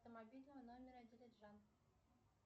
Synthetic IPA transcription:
t̪əmɐbʲilʲnəvənomʲɪɾədʲilʲɪdʐan

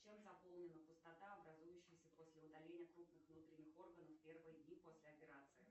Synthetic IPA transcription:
t͡ɕemzɐpo̞lˠnʲɪnəpʊst̪ɐt̪aɐbɾɐzujʉɕːɪjsʲəpo̞sʲlʲɪʊd̪ɐlʲenʲɪjəkɾupnɨxvn̪ut̪ɾʲɪnʲːɪxo̞rɡənəfpʲe̞rvɨjədʲnʲipo̞sʲlʲɪɐpʲɪɾat̪sɨɪ

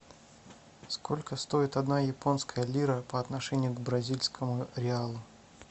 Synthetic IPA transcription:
sko̞lʲkəst̪o̞ɪt̪ɐd̪najɪpo̞nskʰəjəlʲiɾəpəɐt̪nɐʂɛnʲɪjʊɡbɾɐzʲilʲskʰəmʊɾʲɪalˠʊ

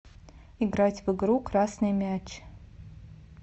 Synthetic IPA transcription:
iɡratʲvɨɡɾukrasnɨjmʲat͡ʃʰ

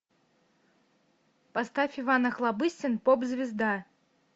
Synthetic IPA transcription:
past̪afʲɪvanɐxlˠabɨsʲɪnpobzʲvʲɪzd̪a

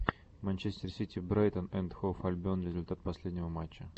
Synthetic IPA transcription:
mɐnʲt͡ɕesʲtʲɪrsʲitʲɪbɾajt̪ənɛnt̪xofɐlʲbʲonɾʲɪzʊlʲt̪at̪̚pɐsʲlʲed̪ʲnʲɪvəmat͡ɕːə

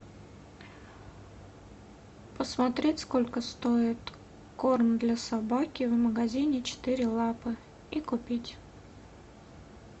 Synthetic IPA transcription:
pəsmɐt̪ɾʲetʲsko̞lʲkəst̪oɪt̪ | ko̞rnd̪lʲasabakʲɪvməɡɐzʲinʲɪt͡ɕɪ̥t̪ɨɾʲɪlˠapɨ | ikʊpʲitʲ

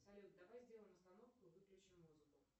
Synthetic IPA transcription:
sɐlʲut̪̚d̪ɐvajzʲdʲelˠəjɪmɐst̪ɐno̞fkʊvɨklʲʉt͡ɕɪmːuzɨkʊ

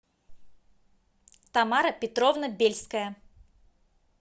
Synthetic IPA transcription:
t̪amaɾɐpʲɪt̪ɾɔvnɐbʲelʲskəjə

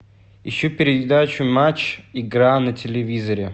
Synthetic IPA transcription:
jɪɕːopʲɪɾʲɪɪd̪at͡ɕʊmat͡ɕɪɡɾanɐtʲɪlʲɪvʲizəɾʲɪ

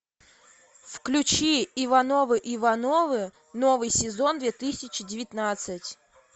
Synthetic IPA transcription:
fklʲʉt͡ɕiɪvɐnovɨʔɪvɐnovɨ | novɨjsʲɪzond̪vʲet̪ɨsʲɪt͡ɕɪdʲɪvʲɪt̪nat̪sɨtʲ

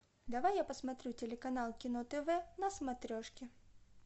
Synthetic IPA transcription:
d̪avajːapɐsmat̪ɾʲut͡sʲɛlʲɛkanalˠkʲinɔt̪ɛvɛnɐsmat̪ɾʲɔʂkʲɪ

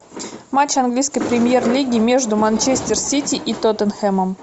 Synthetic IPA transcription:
mat͡ɕɐnɡlʲijskəjpɾʲɪmʲje̞rlʲiɡʲɪmʲe̞ʐd̪ʊmanʲt͡ɕesʲt̪ʲɪrsʲitʲɪʔit̪ot̪ənxɛməm

